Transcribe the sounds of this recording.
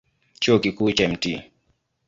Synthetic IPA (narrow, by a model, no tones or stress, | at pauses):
t͡ʃuɔkikuːt͡ʃaɛm̩ti